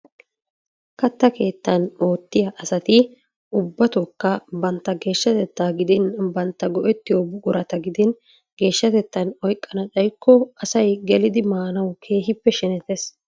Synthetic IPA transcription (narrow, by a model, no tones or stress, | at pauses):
kɐt̪ːɐkʰe̞ːt̪ːɐno̞ːt̪ːɪjɐʔɐsɐt̪ɪ | ʔʊbːɐt̪okːɐbɐnt̪ːɐɡe̞ːʃːɐt̪ɛt̪ːaːɡɪd̪ɪnbɐnt̪ːɐɡɔʔɛt̪ːɪjobʊɡʼʊɾɐt̪ɐɡɪd̪ɪn | ɡe̞ːʃːɐt̪ɛt̪ːɐnɔjkʼːɐnɐt͡sʼɐjkʰːɔɐsɐjɡɛlɪd̪ɪmaːnɐwkʰe̞ːɦɪpːɛʃɛnɛt̪es